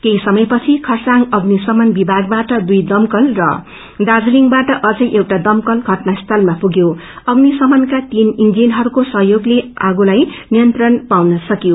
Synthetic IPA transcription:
k̪eisʌmʌjpʌt͡sʰikʰʌrsaŋɡʌɡnisʌmʌnbibʱaɡ̚baʈʌd̪ujd̪ʌmkʌlrʌ̰ | d̪ad͡zliŋbaʈʌʔʌd͡zʌjʔewʈad̪ʌmkʌlɡʱʌʈnast̪ʰʌlmapuɡjo | ʌɡnisʌmʌnkat̪inind͡zinɦʌɾukosʌɦjoɡleaɡulajnijʌnt̪rʌnpawnʌsʌkjo

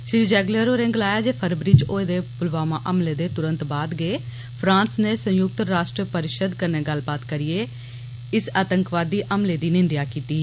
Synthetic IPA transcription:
ʃɾiːd͡ʒɛːɡləɾoːɾẽŋɡlaːjaːd͡ʒeːpʰəɾbɾiːt͡ʃoːed̪eːpʊlʋaːmaːʔəmleːd̪eːt̪ʊɾə̃nt̪baːd̪ɡeː | pʰɾãːnsneːsə̃jʊk̚t̪ɾaːʃʈɾəpəɾɪʃəd̪kəneːɡəlbaːt̪kəɾɪeː | ɪsaːt̪əŋkʋaːd̪iːʔəmleːd̪iːnɪnd̪jaːkiːt̪iː

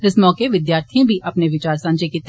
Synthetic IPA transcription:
ɪsmɔːkeʋɪd̪jaːɾt̪ʰijõbʱiʔɐpneʋɪt͡ʃaːɾsɐ̃ɲd͡ʒekit̪

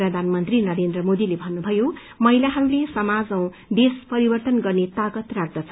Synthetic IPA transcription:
rʌd̪ʱanmʌnt̪rinʌɾend̪rʌmod̪ilebʱʌnːubʱʌjo | mʌilaɦʌɾulesʌmad͡zʌ̃w̃ | d̪espʌɾibʌrt̪ʌnɡʌrnet̪aɡʌt̪rar̚d̪ʌt͡sʰʌ

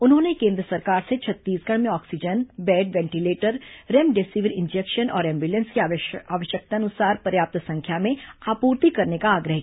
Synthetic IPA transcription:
ʊnɦõːnekẽːnd̪ɾəsɐɾkaːɾset͡ʃʰɐt̪ːiːsɡɐɽ̃mẽɔːksid͡ʒənbɛːɖʋɛ̃ːɳʈileːʈəɾɾemɖeːsiʋəɾɪ̃nd͡ʒɛkʃənɔːɾɛ̃ːmbjulə̃nskiaːʋəʃjək̚t̪anʊsaːɾpɐɾjaːp̚t̪sɐ̃ŋkʰjamẽaːpuːɾt̪ikɐɾnekaːɡɾəɦ

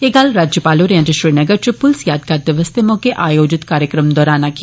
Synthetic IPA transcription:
jeɡaːlɾaːd͡ʒjəpaːloɾjãːd͡ʒəʃɾiːnɐɡəɾt͡ʃʰipːʊlsjaːd̪kaːɾd̪ɐʋəst̪emõkeʔaːjoːd͡ʒɪt̪kaːɾjəkɾəmd̪ɔːɾaːnaki

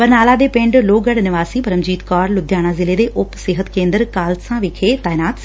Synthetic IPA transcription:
pɐɾnaːlad̪epɪ̃ɳɖloːɡɐɽnɪʋaːsipɐɾəmd͡ʑiːt̪kɔːɾlʊd̪ʱjaːɽ̃azɪled̪eʔʊpsɪɦət̪kẽːnd̪əɾkaːlt̪sãʋɪkʰet̪aːɪnaːt̪s

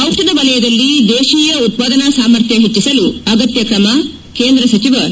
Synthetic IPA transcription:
ɐwt̪ɐd̪ɐʋɐlɐjɐd̪ɐlːid̪eːʃiːjɐut̪̚paːd̪ɐnasaːmɐɾt̪ʰjɐɦet͡ʃːisɐluɐɡɐt̪jɐkɾɐmɐ | ke̞ːnd̪ɾɐsɐt͡ʃiʋɐɾ

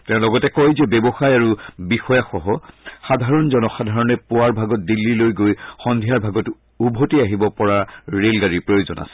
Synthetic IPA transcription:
tɛʊ̃lɔɡɔtɛkɔjzɛbɛbɔxajaɹubixɔjaxɔɦɔxadʱaɹɔnzɔnɔxadʱaɹɔnɛpʊaɹbʱaɡɔt̚dilːilojɡojxɔndʱijaɹbʱaɡɔt | ubʱotiaɦibɔpɔɹaɹelɡaɹipɹojozɔna̰sɛ̥

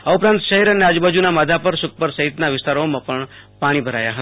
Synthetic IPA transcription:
əupɾãnt̪ʃəɦɛɾənead͡ʒbad͡ʒunamad̪ʱapəɾʃʊk̚ʰpəɾsəɦɪt̪naʋɪst̪aɾomãpəɳ | paɽ̃ibʱəɾa̰jaɦət̪

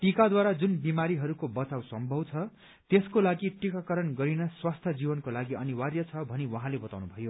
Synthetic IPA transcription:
ʈikad̪waɾad͡zunbimaɾiɦʌɾukobʌt͡sawsʌmbʱʌbt͡sʰʌ | t̪eskolaɡiʈikakʌɾʌnɡʌɾinʌswast̪ʰjʌd͡zibʌnkolaɡiʌniwarjʌt͡sʰʌbʱʌniwʌɦãlebʌt̪aw̃nubʱʌjo

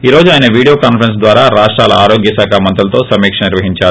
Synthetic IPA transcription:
iːɾo̞ːd͡ʒuaːjinɐʋiːɽijoːkaːnpʰɐɾens̬d̪ʋaːɾaːɾaːʂʈɾaːlɐaːɾo̞ːɡjɐsaːkʰamɐnt̪ɐlɐt̪o̞ːsɐmiːkʂɐniɾʋɐɦiɲt͡ʃaːɾu

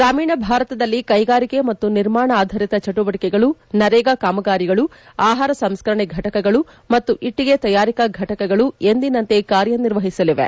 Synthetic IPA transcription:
ɡɾaːmiːɳɐbʱaːɾɐt̪ɐd̪ɐlːikɐjɡaːɾikemɐt̪ːuniɾmaːɳɐːd̪ʱɐɾit̪ɐt͡ʃɐʈuʋɐʈikɛɡɐɭunɐɾɛːɡɐkaːmɐɡaːɾiɡɐɭu | aːɦaːɾɐsɐmskɐɾɐɳeɡʱɐʈɐkɐɡɐɭu | mɐt̪ːuʔiʈːiɡe̞t̪ɐjaːɾikɐɡʱɐʈɐkɐɡɐɭuend̪inɐnt̪e̞kaːɾjɐniɾʋɐɦisɐliʋḛ

